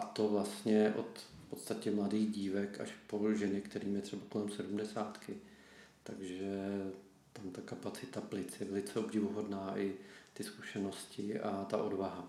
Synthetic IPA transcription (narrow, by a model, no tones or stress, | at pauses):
ʔat̪o̞vlast̪ɲɛʔo̞̰t̪fpot̪st̪acɛmladiːɣɟiːvɛka̰ʃpo̞ʒɛnɪkt̪ɛɾiːmjɛt̪r̥ɛbako̞lɛmsɛdumdɛsaːt̪kɪ | t̪aɡʒɛ | t̪amt̪akapat͡sɪt̪aplɪt͡sjɛvɛlɪt͡sɛo̞bɟɪvuɦodnaːʔɪt̪ɪsku̥ʃɛno̞scɪʔat̪a̰ʔo̞dvaɦa